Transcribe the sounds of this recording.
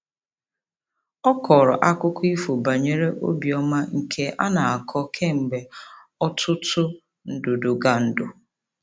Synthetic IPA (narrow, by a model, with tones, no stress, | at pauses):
ɔ˦kʰɔ˨ɾɔ˨ʔa˦kʊ˦kʊ˦i˦fo˨ba˨ɲe˦ɾe˦ʔo̰˦bi˨ɔ˦ma˦ŋ̩˨kʰe˦ʔa̰˦na˨a˨kʰɔ˦kʰe˦m̩˨ɡ͡be˨ | ɔ˦tʰʊ˦tʊ˦ | n̩˨dʊ˨dʊ˨ɡa˨n̩˨dʊ˨